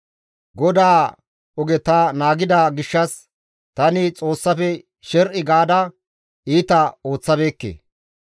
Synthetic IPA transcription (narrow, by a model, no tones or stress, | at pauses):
ɡɔd̪aː | ɔɡɛt̪ɐnaːɡɪd̪aːɡɪʃːɐs | t̪ɐnɪt͡sʼo̞ːsːɐfɛ | ʃɛɾʔɪɡaːd̪ɐ | iːt̪ɐo̞ːt͡sːɐbeːkːḛː